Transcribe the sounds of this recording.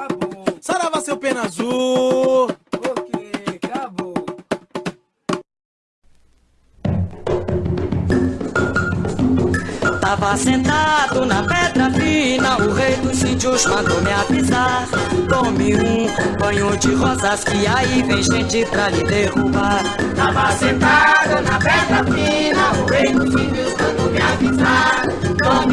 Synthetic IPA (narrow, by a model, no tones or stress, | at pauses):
abosaɾavasepẽnazu | okekabo | t̪avasẽnt̪ad̪ʊnɐpɛd̪ɾɐfĩnɐʊʁejd̪ʊsĩd͡ʒuzmɐ̃nd̪omɪavizaɾt̪omɪũkpɐ̃ɲod͡ʒɪʁɔzaskiaivẽj̃ʒẽt͡ʃɪpɾalɪd̪eɣubaɾt̪avasẽnt̪ad̪ʊnɐpɛd̪ɾɐfĩnɐʊʁejd̪ʊsĩd͡ʒuzmɐ̃nd̪omɪavizaɾ | o